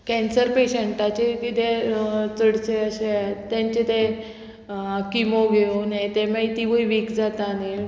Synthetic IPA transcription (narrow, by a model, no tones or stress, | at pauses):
kɛ̃nsəɾpeɕeɳʈat͡ɕekit̪et͡səɽt͡ɕeəɕeat̪ːãɲt͡ɕet̪ɛ | kimoɡʱeonet̪emajt̪iʋəjʋikd͡zat̪ane